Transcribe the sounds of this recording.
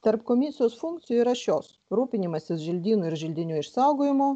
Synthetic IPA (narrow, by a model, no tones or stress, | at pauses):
t̪ɐɾpkomʲiːsʲjoːsfuŋkt̪sʲɪjuɾɐʃʲoːs | ɾuːpʲɪnʲimɐsʲɪsʒʲɪlʲd̪ʲiːnuɪɾʒʲɪlʲd̪ʲɪnʲuːɪʃsɑʊɡoːjɪmoː